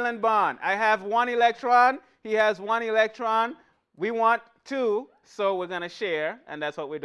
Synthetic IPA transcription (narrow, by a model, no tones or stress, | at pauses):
lɨ̃nbɑ̃na̰ɪɨvwʌ̃nilɛk̚tɹ̥ɑ̃n | hiɨzwʌ̃nilɛk̚tʰɹ̥ɑ̃n | wiwɑ̃ntʰːu | soʊwiɹɡʌñɨʃɛɹʔɨ̰̃nðætswʌt̚wid